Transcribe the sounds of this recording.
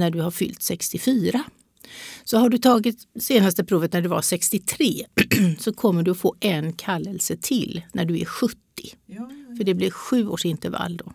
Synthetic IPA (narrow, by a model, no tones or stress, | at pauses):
næɖɵhaɾfʏ̰lt̪sɛkst̪ɪfyːɾa | sɔɦaɖɵt̪ʰɑːɡɪt̪seːnast̪əpʰɾuːvət̪̚næɖɵva̰ʂɛkst̪ɪt̪ʰɾeːsɔkʰɔmːəɖɵɔfoːʔɛnkʰalːɛlsət̪ʰɪlːnæɖɵæ̰ɾɧɵt̪ːɪfœɖɛblɪɾɧʉ̟ːo̰ːʂɪnt̪əɾva̰lːd̪ɔ̰